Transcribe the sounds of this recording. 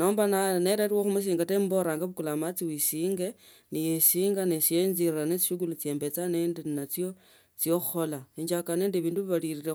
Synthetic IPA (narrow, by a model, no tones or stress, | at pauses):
noːmbananeɾaɾiwoxumus̬iːŋɡatembo̞ɾaːŋɡaβukulamat͡siwisiːŋɡe̞ | nijesiːŋɡanesienzirranet͡si̥ʃuɡulut͡sje̞ːmbe̞t͡saneːndennat͡sjo̞ | t͡sijoxxo̞laeɲd͡ʒakaneːndeβiːnduβiβaliriɾe